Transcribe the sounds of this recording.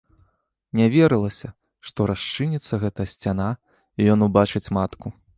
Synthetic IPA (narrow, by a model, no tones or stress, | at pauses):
nʲavʲɛɾɨlˠɐsʲɐ | ʂt̪ɔɾaʂt͡ʂɨnʲit̪sːɐɣɛt̪ɐɐsʲt͡sʲana | ijɔnubat͡ʂɨt͡sʲmat̪ku